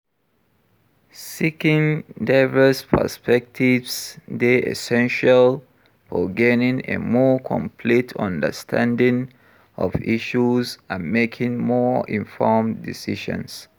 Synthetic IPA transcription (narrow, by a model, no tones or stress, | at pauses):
sikĩŋdaɪvəspʰə̰spɛk̚tʰivsdeʔɛ̰sɛ̃nʃal | fɔɡɛnĩŋḛmɔkʰɔ̰̃mpʰlitʰʌ̰̃ndə̰stʰã̰ndĩŋ | ɔ̰vḭʃuzãnmekʰĩŋmɔĩnfɔmdisiʃə̰̃ns